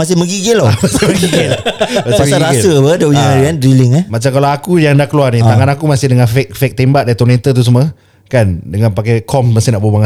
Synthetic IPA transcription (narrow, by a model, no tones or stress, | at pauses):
mas̬ɪməɡiɡɪlɔamasɪməɡiɡɪlasaaɾasəbədəuɲaiandɾilɪŋamat͡ʃamkalaakujaŋdakəluarnit̪aŋanakumasɪhdəŋanfɛk̚fɛk̚t̪embaʔ̚dait̪ɔnẽnt̪ət̪̬us̬əmə | kandəŋãnpakajkʰɔmmasɪhnaʔbubaŋ